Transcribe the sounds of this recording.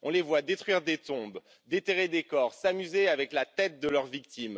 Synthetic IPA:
ɔ̃levwad̪et̪χɥiʁd̪et̪ɔ̃b | d̪et̪eʁed̪ekɔʁsamyzeavɛklat̪ɛt̪̚d̪əlœʁvik̚t̪im

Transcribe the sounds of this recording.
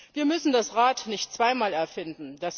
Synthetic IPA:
viːɐmʏsn̩dasʁaːtnɪçtt͡sv̥aɪmaːlɛɐfɪndn̩das

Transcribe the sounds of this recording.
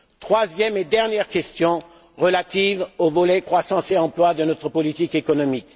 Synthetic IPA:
t̪χwazjɛmed̪ɛʁnjɛʁkʲɛst̪jɔ̃ | ʁəlat̪ivovɔlɛkχwasɑ̃seɑ̃plwad̪ənɔt̪χəpɔlit̪ikekɔnɔmik

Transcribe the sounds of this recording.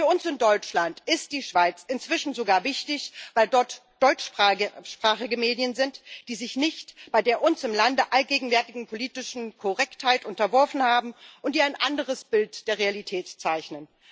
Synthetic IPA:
fyːɐʊnsɪndɔʏt͡ʃlantɪst̚d̥iːʃv̥aɪt͡sɪnt͡sv̥ɪʃn̩zoɡaːɐvɪçtɪçvaɪldɔɐtd̥ɔʏt͡ʃʃpʁ̥aːχɪɡəmeːdjənzɪntd̥iːzɪçnɪçtb̥aɪdeːɐʔʊnsɪmlandəʔalɡeːɡŋ̩vɛɐtɪɡŋ̩pʰoliːtɪʃn̩kʰɔʁɛkthaɪtʔʊntɐvɔɐfn̩haːbm̩ʔʊntd̥iːaɪnʔandəʁ̞əsb̥ɪltd̥eːɐʁ̞ealitʰɛːtt͡saɪçnən

